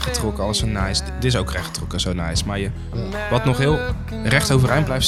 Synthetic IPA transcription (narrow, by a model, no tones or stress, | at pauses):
χətrɔkəɑləsonajs | dɪs̬owkrɛχətrɔkəzownajsmaːɹjə | ʋɑtnɔχɦɪːlˠ | rɛχtowvərɛjnmblɛjft